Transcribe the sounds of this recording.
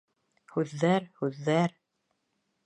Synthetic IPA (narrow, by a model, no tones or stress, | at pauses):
hʉðːæɾhʉðːæɾ